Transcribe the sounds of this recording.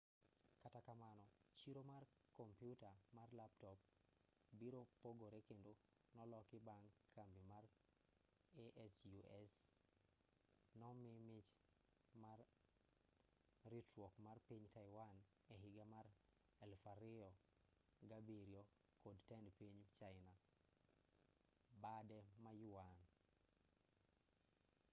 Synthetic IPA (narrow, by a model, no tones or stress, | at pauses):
katakamanɔt͡ʃiɾomarkɔmpjutamarlaptɔp̚ | biɾopoɡoɾekendonɔlɔkɪbaŋkʰːambimar | eʔɛsjuʔɛs | nɔmɪmɪt͡ʃ | mar | ritwɔkmarpiɲtajwan | ɛɦɪɡamaɾ | ɛlfaɾɪɔ | ɡabiɾjɔ | kodtɛndpiɲt͡ʃaɪna | badɛmajuwan